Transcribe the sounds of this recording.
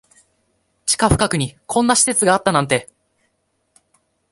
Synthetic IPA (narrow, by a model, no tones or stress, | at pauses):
t͡ɕi̥kaɸɯ̟kakɯ̟ɲ̟ikʰõ̞nːaɕi̥se̞t͡sɨɡaːt̪ːanãnt̪e̞